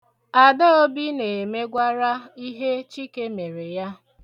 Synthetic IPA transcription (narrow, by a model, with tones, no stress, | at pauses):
a˨de˦o˦bi˦ne˨me˦ɡʷa˦ɾa˦i˦ɦe˦t͡ʃi˦ke˦me˨ɾe˨ja˦